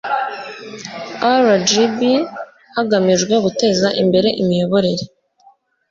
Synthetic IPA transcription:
aɾad͡ʒibi | haɡamiʒɡwe̞ɡute̞zaʔimbe̞ɾe̞ʔimijo̞βo̞ɾe̞ɾe

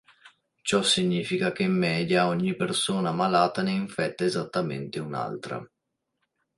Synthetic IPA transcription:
t͡ʃɔsiɲːiːfikakemːɛːd̪jaɔɲːipersoːnamalaːt̪aneiɱfɛt̪ːaezat̪ːamḛnt̪euna̰lt̪ɾa̰

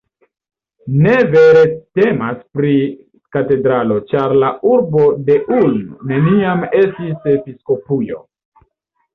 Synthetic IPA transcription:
ne̞ve̞ɾe̞te̞maspɾi | kate̞dɾalo̞t͡ʃaɾlauɾbo̞de̞ʔulnune̞niame̞stise̞pisko̞pujo̞̰

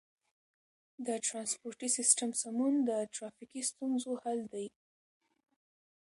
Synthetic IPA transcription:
d̪əʈɾɑnspoɾʈisɪsʈamsamund̪əʈɾɑfikist̪unzohald̪aj

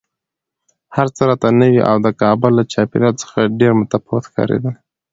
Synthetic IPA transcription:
haɾt͡səɾɑt̪anəwiʔa̰wd̪əkɑbʊlːat͡ʃɑpeɾjɑlt͡sə̥xaɖeɾmʊt̪afot̪xkɑ̰ɾḛd̪ə

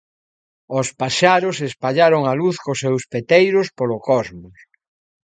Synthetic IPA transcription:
ʊspaʃaɾʊsespaʎaɾʊŋaluθkʊsewspet̪ejɾʊspolokɔzmʊs

